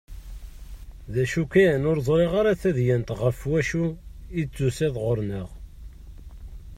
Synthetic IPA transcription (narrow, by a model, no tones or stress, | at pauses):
ðæʃukæjənoɾðˤɾˤeʁaɾaθæðjænt̪ʁəfwæʃuit͡sːusæðʁoɾˤnəʁ